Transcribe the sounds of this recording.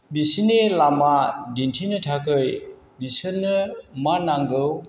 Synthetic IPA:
bisinelamadintʰinɯtʰakʰɯj | bisɯnːɯmanaŋɡɯw

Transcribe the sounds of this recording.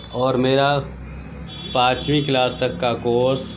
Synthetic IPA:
ɔːɾmeːɾa | pãːt͡ʃwiklaːst̪ɐkːakoːs

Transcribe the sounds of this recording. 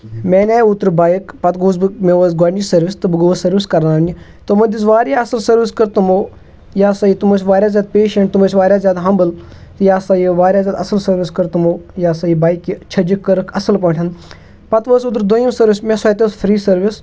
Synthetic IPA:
meːnɛːut̪ɾbaːjikpɐt̪ɡuːzbɨmẽːʋəːzɡaːɳɖisɐɾʋɪst̪ɨbɨɡoʋəsɐɾʋɪskɐɾnaːni | t̪omɐd̪isʋaːɾʲjaːɐsəlsɐɾʋɪskəɾt̪umoː | jaːsɐiːt̪umosʋaːɾʲjaːzjaːd̪̚peːʃɐɳʈ̚t̪umoːsʋaːɾjaːzjaːd̪ɦɐmbəl | t̪ɨjaːsaːjiʋaːɾʲjaːzʲjaːd̪ɐsəlsɐɾʋɪskɐɾt̪umoːjaːsɐibaːjkit͡ʃʰɐd͡ʒikːɐɾɨkʰɐsəlpɐːʈʰɐn | pɐt̪ʋəsut̪ɾd̪ojimsɐɾʋɪsmẽsojt̪espʰɾiːsɐɾʋɪs

